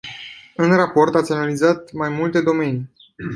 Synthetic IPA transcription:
ɨnrapo̞rt̪at̪sʲanalizat̪majmult̪e̞d̪o̞me̞ni

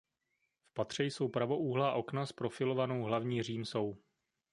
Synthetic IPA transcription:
fpat̪r̝̥ɛjso̞wpɾavo̞ʔuːɦlaʔo̞knaspɾo̞fɪlo̞vano̞wɦlavɲiːr̝iːmso̞w

